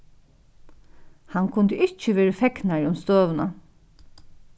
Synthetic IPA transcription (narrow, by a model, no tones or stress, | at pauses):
hankʰʊnd̪əʔɪt͡ʃːəʋeːɹəfɛknaɹʊmst̪øːʋʊna